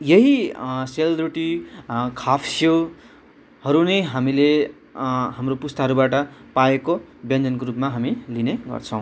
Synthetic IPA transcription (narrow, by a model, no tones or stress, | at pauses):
jʌɦiseld̪ruʈikʰapʰsjo | hʌɾunʌjɦamile | ɦamropust̪ʌɦʌɾubaʈʌpaekobjʌnd͡zʌnkoɾupmaɦamilineɡʌ̰rt͡sʰʌ̃w̃